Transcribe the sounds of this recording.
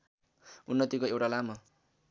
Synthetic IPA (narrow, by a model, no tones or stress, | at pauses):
unːʌt̪ikoewʈalamʌ